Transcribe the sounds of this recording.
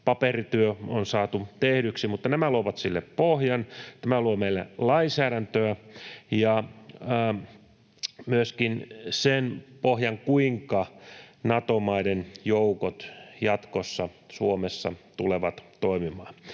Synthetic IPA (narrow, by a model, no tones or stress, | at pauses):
pɑperit̪yøonsɑːt̪ut̪ehɾyksimut̪ːɑnæmæluoʋɑt̪silːḛppohjɑnt̪æmæluomeilːæ̰lɑinsæːɾænt̪øæjɑː | myøskinsenpohjɑŋkuiŋkɑnɑt̪omɑidenjoukot̪jɑt̪kosːɑ | suomesːɑ̰t̪uleʋɑt̪t̪oimimɑː